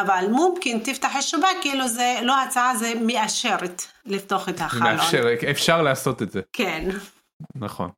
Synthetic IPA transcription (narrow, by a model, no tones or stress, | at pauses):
avalmʊmkɪnt̪ɪft̪aħɪʃːabakːʔɪlːozelohat͡saʕazemɪʔaʃɪɾˤt̪lɪft̪oːxɪt̪haxmaeʔafaeʁʔefʃaʁleasot̪et̪zekeːn | naxo̰n